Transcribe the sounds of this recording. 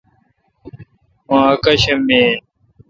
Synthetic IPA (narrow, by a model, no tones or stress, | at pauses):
mãːkɐɕɐmeːn